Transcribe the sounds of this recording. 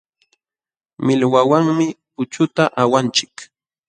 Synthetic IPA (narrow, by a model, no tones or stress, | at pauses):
mɪlwawaŋmɪpʊt͡ʃʊt̪aʔawant͡ʃɪ̥k